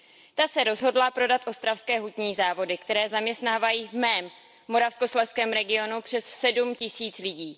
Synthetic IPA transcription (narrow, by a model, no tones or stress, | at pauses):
t̪asɛɾo̞zɦo̞dlapɾo̞dat̪ʔo̞st̪ɾafskɛːɦut̪ɲiːzaːvo̞dɪkt̪ɛɾɛːzamɲɛst̪naːvajiːvmɛːmː | o̞ɾafskoslɛskɛːmɾɛɡɪo̞nupr̥ɛssɛdumcɪsiːt͡slɪɟiː